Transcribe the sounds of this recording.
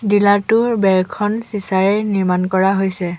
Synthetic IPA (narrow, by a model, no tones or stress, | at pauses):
dilatʊbɛɹkʰɔnsisaɹɛniɹmankɔɹaɦojsɛ